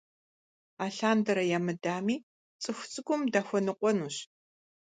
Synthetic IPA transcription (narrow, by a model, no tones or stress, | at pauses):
aːɬaːndɐɾɐjamɨdaːmiː | t͡sʼɨxʷʊt͡sʼɨɡʷʊmdaxʷɔnɨqʷʼɔnuːɕ